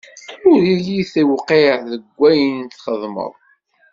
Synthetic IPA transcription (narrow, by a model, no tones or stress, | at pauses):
ʊɾiliθəwqiʕðəɡʷːæjənt̪ːχəðˤmə̰ðˤ